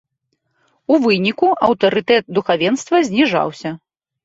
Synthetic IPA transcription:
uvɨnʲikuɐwt̪ɐɾɨt̪ɛt̪̚d̪uxavʲɛnst̪vɐzʲnʲiʐa̰wsʲɐ

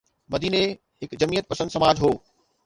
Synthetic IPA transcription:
mɐd̪iːne | ɦɪkd͡ʑɐmiːət̪̚pɐsə̃nd̪sɐmaːd͡ʑɦoː

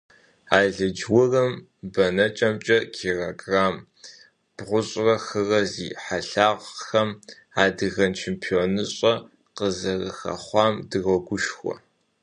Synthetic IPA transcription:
aːɮɨd͡ʒwʊrɐm | bɐnɐt͡ʃʼɐmt͡ʃʼɐkʰiːroɡraːm | b̥ʁʷʊɕʼrɐxɨrɐzḭːħaɬaːʁxɐm | aːdɨɣɐnt͡ʃʰempʰioːnɨɕʼɐ | qəzɐrɨxɐ̰χʷɑːmdɨɣɔɡʷʊʃxʷɔ̰

